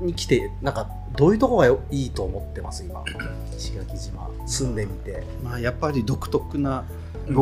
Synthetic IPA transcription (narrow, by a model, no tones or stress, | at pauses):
ɲ̟ikʲi̥t̪e̞nãŋka | d̪o̞ːjɯ̟t̪o̞koɡaiːt̪o̞ːmo̞t̪ːe̞ma̰sɨima̰ | ɕi̥kʲinakʲiʑima̰ | sɨ̃nd̪e̞mʲit̪e̞ | majapːaɾʲid̪o̞kɯ̟̥t̪o̞kɯ̟na